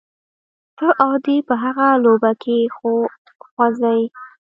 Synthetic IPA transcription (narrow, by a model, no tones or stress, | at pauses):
t̪əʔad̪ipəɦaɣalobakʰe | xwazaj